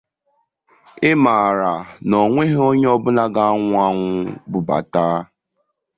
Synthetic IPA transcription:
ɪ˦ma˨ɾa˨nɔ˨ŋʷe˦ɦe˦o˦ɲe˦ɔ˦bʊ˦na˦ɡa˦a˦ŋʷʊ˦a˦ŋʷʊ˦bʊ˨ba̰˨taː˦

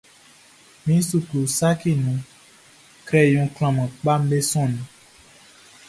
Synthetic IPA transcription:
mĩ˦su˨klu˨sa˦ki˦˨nũ˨ | kɾɛ˦˨jɔ̃˨kl̃ã˨mã˨k͡pa˦m˦be˦sɔ̃˦˨nũ˨

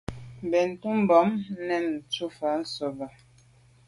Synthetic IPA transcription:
bɛ˨n̩˨tu˦m˦bɔ˨˦mnɛ˦˨m˨t͡su˦fa˨˦n̩˦so˨ba˨

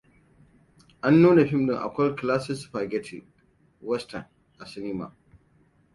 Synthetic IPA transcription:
ʔa˦nːuː˦ne˨ɸɪ˦mnɪ˨ŋʔa̰˨kʷɐ˦lklaː˦sɪ˦sɸa˨ɡɛ˦tʰɪ̰˨ | wɛ˦stɐ˨n | ʔa˨sɪ˦niː˦ma̰˨

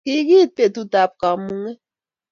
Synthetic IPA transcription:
ki˦ɡi˦t̚pe˨tu˦ta˨p̚ka˨˦mu˦ŋe˦

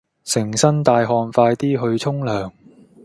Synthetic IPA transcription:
sɪ˨˩ŋsɐ˥nt̪aː˨˧jɦɔː˧nfaː˧jt̪iː˥ɦɵ˧ɥt͡sʰʊ˥ŋlœː˨˩ŋ

